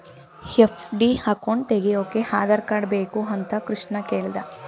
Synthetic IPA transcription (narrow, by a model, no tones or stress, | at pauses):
hepʰɖihaːkoɳt̪eɡejoːkːehaːd̪ɐɾkaːɖbeːkuɐnt̪ɐkɾuʂɳɐkeːɭd̪ɐ